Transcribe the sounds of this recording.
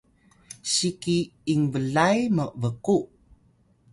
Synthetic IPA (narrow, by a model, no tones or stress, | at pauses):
sikiːŋvəɮajməvəkuʔ